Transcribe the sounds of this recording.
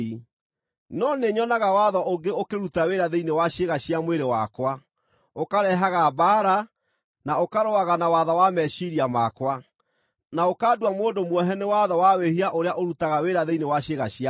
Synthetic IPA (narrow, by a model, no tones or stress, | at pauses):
i | nɔneɲɔnaɣawaðɔʔoŋɡeokeɾutaweɾaðeinewaɕeɣaɕjamweɾewakwa | okaɾɛɦaɣabaːɾa | naokaɾoaɣanawaðɔwamɛʃiɾiamakwa | naokaːdwamoːndomwɔɦɛnewaðɔwawehiaʔoɾeaʔoɾutaɣaweɾaðeinewaɕeɣaɕia